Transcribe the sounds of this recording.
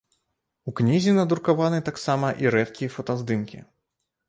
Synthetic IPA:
uknʲizʲinɐd̪uɾkavanɨt̪aksamɐʔiɾɛt̪kʲijɐfɐt̪ɐzd̪ɨnkʲḭ

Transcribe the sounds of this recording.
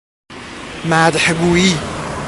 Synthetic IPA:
maːd̪ħaɡuːi

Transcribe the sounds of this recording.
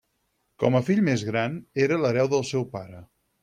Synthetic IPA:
kɔməfiʎmezɣɾaneɾələɾɛwðəlˠsɛwpaɾə

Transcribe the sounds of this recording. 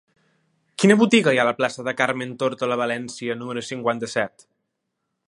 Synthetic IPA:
kinəβut̪iɣəjaləplasəðəkaɾment̪oɾt̪ələβəlɛnsiənuməɾusiŋkwant̪əsɛt̪

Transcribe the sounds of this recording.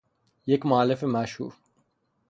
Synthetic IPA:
jekmʊaːlɪfemaʃhṵːɾ

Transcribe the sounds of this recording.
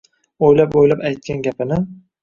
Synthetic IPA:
ojlapojlapajt̪̚kʲanɡʲapʰɪnɪ

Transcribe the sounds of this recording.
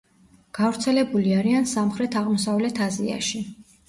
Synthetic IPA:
ɡ̥avɾt̪sʰɛlɛbuliaɾiansamχɾɛt̪ʰaʁmɔsavlɛt̪ʰazḭa̰ʃi

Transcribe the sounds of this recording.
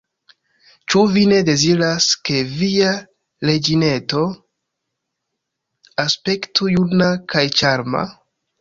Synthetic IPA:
t͡ʃuvine̞de̞ziɾaske̞via | le̞d͡ʒine̞to̞ | aspe̞ktujunakajt͡ʃaɾma̰

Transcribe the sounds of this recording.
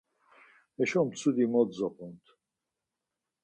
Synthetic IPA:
ɛʃɔmt͡sʰud̪imɔd̪zɔqʼunt̪ʰ

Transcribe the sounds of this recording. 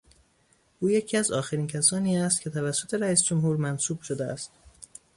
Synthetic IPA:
ʔuːje̞cʰiæzɒːxeɾiːncʰæsɒːniːæst̪̚cʰe̞t̪ʰævæsːo̞t̪ʰe̞ɾæiːsd͡ʒomhuːɾmænsuːb̥ʃod̪eæ̰st̪

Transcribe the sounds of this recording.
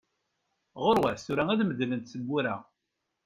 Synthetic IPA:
ʁoɾwæθsuɾææðməðlənt̪səɡʷːuɾæ

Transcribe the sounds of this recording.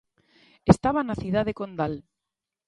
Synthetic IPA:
est̪aβanaθiðaðekond̪al

